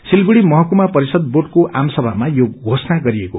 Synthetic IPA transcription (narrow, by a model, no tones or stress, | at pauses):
silbuɽimʌɦʌkumapʌɾisʌd̪̚boɖkoʔamsʌbʱamajoɡʱosnaɡʌɾieko